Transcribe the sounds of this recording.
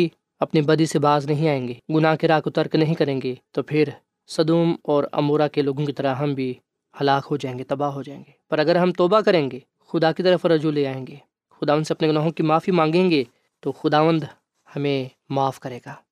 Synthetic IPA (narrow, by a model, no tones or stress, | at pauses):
i | ɐpnibɐd̪isebaːznɐɦĩaːẽːŋɡeːɡʊnaːɦkeɾaːkʊt̪əɾknɐɦĩkɐɾẽːŋɡeːt̪opʰɪɾ | sɐd̪uːmɔːɾɐ̰moːɾakeloːɡõkit̪ɐɾəɦɐmbʱi | hɐlaːkɦod͡ʒaːẽːŋɡet̪ɐbaːɦod͡ʒaːẽːŋɡeːpɐɾɐɡəɾɦɐmt̪ɔːbakɐɾẽːŋɡeː | xʊd̪akit̪ɐɾəfɾɐd͡ʒuleaːẽːŋɡeː | xʊd̪aːʋənd̪seɐpneɡʊnaːɦõkimaːfimãːŋɡẽːŋɡeː | t̪oxʊd̪aːʋə̃nd̪ | hɐmẽ | maːfkɐɾeːɡaː